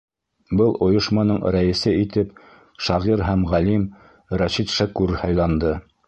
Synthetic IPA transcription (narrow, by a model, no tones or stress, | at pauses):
bɤlˠʔŏjŏʃmɑnɤɴɾæɘ̆sɘit̪ɘp | ʃɑʁiɾɦæmʁælim | ɾæɕit̪ʃækʉɾhɑjlˠɑnd̪ɤ